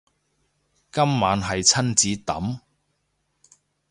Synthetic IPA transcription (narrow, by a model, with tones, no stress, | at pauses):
kɐ˥mːaː˨˥nɦɐ˨jt͡sʰɐ˥nt͡siː˨˥t̪ɐ̰˨˥m